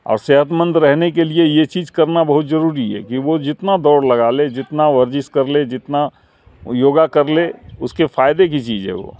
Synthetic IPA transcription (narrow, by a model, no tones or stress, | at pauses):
ɔ̰ːɾseːɦət̪mə̃nd̪ɾɛɦnekeliejet͡ʃiːd͡ʒkɐɾnabɐɦʊt̪zɐɾuːɾiɦɛ̰kiʋod͡ʒɪt̪nad̪ɔːɾlɐɡaːled͡ʒɪt̪naʋəɾd͡ʒɪskɐɾled͡ʒɪt̪na | joːɡakɐɾleʊskefʰaːɪd̪ekit͡ʃiːd͡ʒɦɛ̰ʋo̰ː